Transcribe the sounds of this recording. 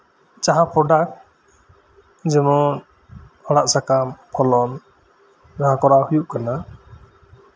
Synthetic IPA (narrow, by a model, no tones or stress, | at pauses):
t͡ʃaɦãpʰɔɖak̚ | d͡ʒɛmɔn | hɔɽaʔsakampʰɔlɔn | d͡ʒaɦãkɔɾahujuʔkana